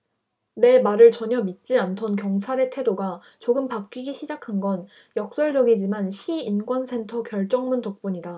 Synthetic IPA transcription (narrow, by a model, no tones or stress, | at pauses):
ne̞maɾɯɭt͡ɕʌɲʌmit̚t͡ɕ͈iantʰʌnkjʌŋt͡ɕʰaɾe̞tʰe̞doɡa | t͡ɕoɡɯmpak̚k͈iɡiɕʰid͡ʑakʰanɡʌn | jʌk̚s͈ʌɭd͡ʑʌɡid͡ʑimanɕʰiːnɡwʌnsʰe̞ntʰʌkjʌɭt͡ɕ͈ʌŋmuntok̚p͈uɲida